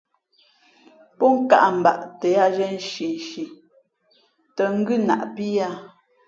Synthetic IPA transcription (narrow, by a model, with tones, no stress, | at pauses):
pɔ˦ŋ̩˦ka̰˨ʔm̩˨ba̰˨ʔtɛ˨˦a˦˨d͡ʒɛ˦n̩˦˨ʃi˨n˨ʃi˨ | tə˨ŋ̩˦ɡʉ˦˨na̰˨ʔpi˦a˦